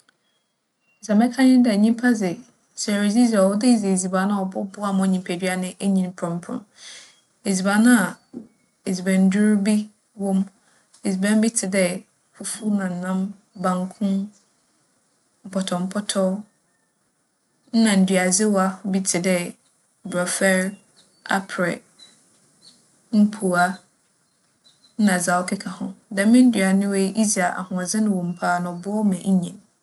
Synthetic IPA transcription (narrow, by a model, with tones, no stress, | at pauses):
za˨mɛ̃˦kʰã˦ɲɪ̃˦dɛ˨ɲĩ˦pʰa˦zɪ˨ | sɛ˨ɾe˨zi˦za˨wɔ˦dɪ˦˨ze˨e˨zi˨ba˨˦nã˦˨ɔ˨bɔ˦bʊ˦a˨mɔ̃˨ɲĩ˨mpʰæ˨dɥa˦nɪ̃˦ʔe˦ɲĩ˨n̩˨pʰɾʊ̃˨m˨pʰɾʊ̰̃˨ | e˨zi˨ba˨˦nʊ̃˦a˨ | e˨zi˨bɛ̃˨n˦dʊ˦ɾbi˦ | wɔ̃˦m | e˨zi˨bɛ̃˦m˦bi˦tʰɪ˨dɛ˦ | fu˦fu˦nã˨n̩˨nã˦m | bã˨ŋkʰʊ̃˦ | m̩˨pʰɔ˨tʰɔ˨m̩˦pʰɔ˦tʰɔ˦ | nã˨n̩˨dɥa˨zɪ˦wɔ˦a˦bi˦tʰɪ˨dɛ˦ | bɾɔ˨fɛ˦ɾ | a̰˦pʰɾɛ̰˨ | m̩˦pʰu˨a˦ | nã˨za˨ɔ˦kʰɪ˦kʰa˨hʊ̰̃˨dã˨˦mɪ̃˦n̩˦dɥa˨nʊ̃˦we˦ʔi˦za˨ʔa̰˨hʊ̃˨zɪ˦nʊ̃˨wõ˨m̩˨pʰaː˦˨nã˨ɔ˨bʊ˦ɔ˦mɛ̃˨ɲ˦ɲɛ̃˨n